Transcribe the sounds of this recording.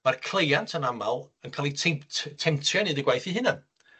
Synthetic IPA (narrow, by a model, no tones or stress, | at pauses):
markʰl̥ˠejantʰənamalˠənkʰaːlˠitʰɛmtʰtʰɛmtʰrjanɨdɪɡwajθiɦɨnan